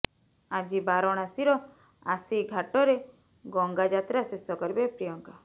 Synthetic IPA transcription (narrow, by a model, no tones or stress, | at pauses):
ad͡ʒibaɾɔɽ̃asiɾɔ | asiɡʱaʈɔɾe | ɡɔŋɡad͡ʒat̪ɾasesɔkɔɾbepɾijɔŋka